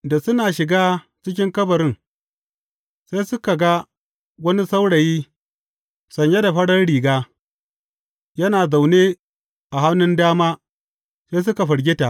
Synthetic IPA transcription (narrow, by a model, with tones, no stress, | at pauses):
da˨sʊ˦naː˨ʃɪ˨ɡaː˦ | t͡ʃɪ˦kʲɪ˦ŋkɐ˦bɐ˨ɾɪ˦ŋ | se˦jsʊ˦ka˨ɡa˦ | wɐ˦ni˦sa˦wɽɐ˨jiː˦ | sɐ˨ɲja˦da˨ɸɐ˦ɽɐ˦rɽiː˨ɡaː˦ | jɐ˦naː˨za˨wneː˦ | ʔa˨ɦa˦mnʊ˦ndaː˦maː˦ | seː˦s̬ʊ˦ka˨ɸɐ˨ɽɡʲɪ˦ta˨ʔ